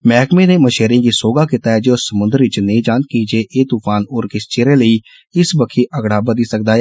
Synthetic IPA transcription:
mɛːkmẽːnẽːməʃeːɾĩːɡiːsoːɡaːkit̪aːɛːd͡ʒeːʊsːəmʊ̃nd̪əɾʋɪt͡ʃnəĩːd͡ʒãːnt̪̚kiːd͡ʒeːʔeːt̪uːpʰaːnoːɾkɪst͡ʃeːɾẽːləiː | ɪsbəkʰiːʔəɡɽaːbəd̪iːsək̚d̪aːɛː

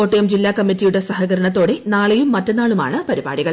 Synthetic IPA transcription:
oːʈːɐjɐmd͡ʑilːaːkɐmːitːijuɽe̞sɐɦɐɣɐɾɐɳɐt̪̬ːo̞ːɽe̞naːɭɐjumːɐtːɐnaːɭuma̰ːɳɨpɐɾiba̰ːɽiɣɐɭ

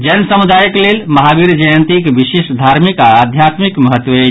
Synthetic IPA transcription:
d͡ʒənsəmud̪ajəklelməɦabiɾd͡ʒəjənt̪ikbisesd̪ʱaɾmikaːd̪ʱjat̪mikməɦət̪ːʋəe

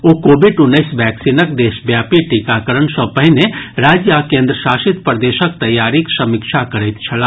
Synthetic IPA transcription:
okoːbiɖʊnːəɪsʋɛksinəkd̪eːʃbjaːpiʈikakəɾənsə̃pəɦineɾaːd͡ʒjakẽːnd̪ɾəʃaːʃɪt̪pɾəd̪eːʃək̚t̪əjːaːɾiksəmɪkt͡ʃʰakəɾəjt̪t͡ʃʰəla

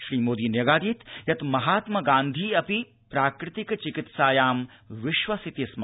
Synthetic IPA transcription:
ʃɾiːmoːd̪iːnjɐɡaːd̪iːt̪jɐt̪mɐɦaːt̪mɐɡãːnd̪ʱiːɐpi | pɾaːkɾɪt̪ikt͡ʃikɪt̪saːjaːm | ʋɪʃʋɐsit̪isma

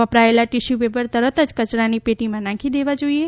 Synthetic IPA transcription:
ʋəpɾaelaʈiʃuʋebəɾt̪əɾət̪əd͡ʒkət͡ʃɾanipeʈimãnãkʰid̪eʋad͡ʒoie

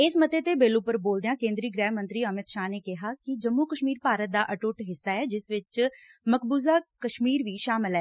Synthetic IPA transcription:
ɪsmət̪eːt̪eːbeːluːpəɾboːld̪ejãːkẽːnd̪ɾiːɡɾɛːɦmə̃nt̪ɾiːəmɪd̪ʃaːneːkɪɦaːkɪd͡ʒəmːuːkəʃmiːɾpaːɾət̪̚d̪aːʔəʈʊʈɦɪsːaːɛːd͡ʒɪsʋɪt͡ʃməkbuːzaːkəʃmiːɾʋiːʃaːmɪlɛː

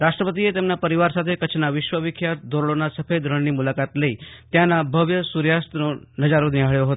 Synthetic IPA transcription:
ɾaʂʈɾəpət̪̬ijet̪emnapəɾiʋaɾsat̪ʰekət͡ʃʰnaʋiʃʋəʋikʰjat̪̚d̪ʱoɾɭonasəfed̪ʱɾəɳniːmulakat̪leiːt̪janːabʱəʋjəsuɾjast̪nonəd͡zaɾoniɦaɭjoɦot̪o

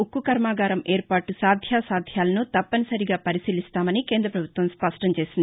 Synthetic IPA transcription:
ukːukɐɾmaːɡaːɾɐmeːɾpaːʈusaːd̪ʱjaːsaːd̪ʱjaːlɐnut̪ɐpːɐnisɐɾiɡaːpɐɾisiːlist̪aːmɐnikeːnd̪ɾɐpɾɐbʱut̪ʋɐmspɐʂʈɐmt͡ʃe̞ːsind̪i

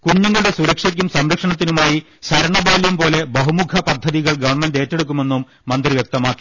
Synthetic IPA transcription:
kuɲːɐŋːɐɭɽe̞suɾɐkʂɐk̬ʲːumsɐmɾɐkʂɐɳɐt̪ːinumaːji | ɕɐɾɐɳɐbaːlijumpo̞ːle̞bɐɦumukʰɐpɐd̪ʱːɐðiɣɐɭɡɐʋɐɳmende̞ːtːeɽuk̬ːume̞nːumːɐnd̪riʋjɐk̚t̪ɐmaːkːi̥

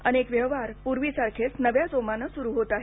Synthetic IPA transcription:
ənekʋjəʋaɾpuɾʋiːsaɾkʰet͡snəʋjasomanəsuɾuːɦot̪aɦe

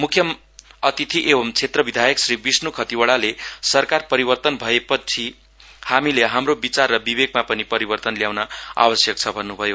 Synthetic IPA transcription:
mukʰjʌm | ʌt̪it̪ʰiʔebʌmt͡sʰet̪rʌbid̪ʱajʌksribisnukʰʌt̪iwaɭalesʌrkarpʌɾibʌrt̪ʌnbʱʌepʌt͡sʰi | hamileɦamrobit͡sarːʌbibeɡ̚mapʌnipʌɾibʌrt̪ʌnljawnʌa̰bʌsjʌk̚t͡sʰʌbʱʌnːubʱʌjo

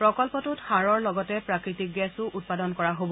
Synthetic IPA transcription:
pɹɔkɔlpɔtʊthaɹɔɹlɔɡɔtɛpɹakɹitik̚ɡɛsʊʔut̚padɔnkɔɹaɦobɔ

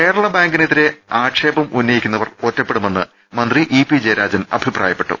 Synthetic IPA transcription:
ke̞ːɽɐɭɐbaːŋɡinet̪ːiɾe̞aːʈʂe̞ːbɐmunːɐjikʲːunːɐʋɐro̞tːɐpːe̞ɽume̞nːɨ | mɐnd̪riʔipid͡ʑeːɾaːd͡ʑɐnɐ̰bʱipra̰ːjɐpːe̞ʈːṵ

